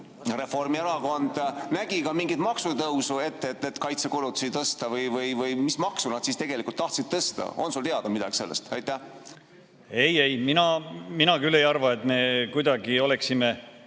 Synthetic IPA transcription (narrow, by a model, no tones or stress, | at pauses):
re̞fo̞rmieɾɑko̞nd̪̥næɡ̥ikɑmiŋɡit̪mɑksut̪ɤwsue̞t̪ːet̪ːˑet̪kɑjt̪se̞kulut̪ːˑu̥sit̪ɤst̪ɑvɤjvɤjvɤjmismɑksunɑd̪̥sist̪eɡ̥e̞likult̪ːɑht̪sid̪̥t̪ɤst̪ɑ̰o̞̰nsult̪eɑd̪̥ɑmid̪̥ɑ̰ɡi̥se̞lːest̪ɑjt̪ˑːæ | ejejminɑminɑkylːe̞jɑrvɑet̪me̞kujd̪ɑɡio̞leksime